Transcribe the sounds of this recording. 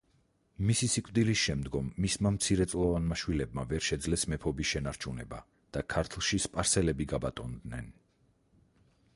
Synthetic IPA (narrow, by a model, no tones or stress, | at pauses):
misisikʼvd̪ilisʃɛmd̪ɡɔmːismamt̪sʰiɾɛt̪sʼlˠɔvanmaʃwilɛbmavɛɾʃɛd̪zlɛsmɛpʰɔbisʃɛnaɾt͡ʃʰunɛba | d̪̥akʰaɾt̪ʰlˠʃispʼaɾsɛlɛbiɡabat̪ʼɔnd̪nɛn